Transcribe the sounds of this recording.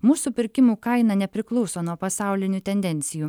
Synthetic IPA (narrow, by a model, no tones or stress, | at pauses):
muːsuːpʲɪɾʲkʲɪmuːkɐɪnɐnʲɛpʲɾʲɪklˠɔʊsoːnuɔpɐsɑˑʊlʲɪnʲʊt̪ʲɛnʲd̪ʲɛnʲt̪sʲɪjuː